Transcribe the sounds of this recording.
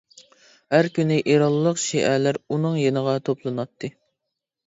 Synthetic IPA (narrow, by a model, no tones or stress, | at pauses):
hæɾkʲynɪʔiɾɑlˠːəqʃiʔælæɾunɨŋjenəʁɑt̪ʰoplˠɨnɑt̪ʰːɨ